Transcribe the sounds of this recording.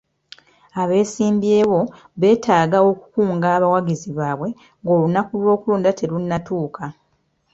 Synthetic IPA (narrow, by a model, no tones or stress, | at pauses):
aβe̞ːsiːmbje̞ːβo̞ | βe̞ːtʰaːɡao̞ku̥kuːŋɡaːβawaɡiziβaːβwe̞ | ŋɡo̞ːlunːakulwo̞ːkuluːndatʰe̞lunːatuːka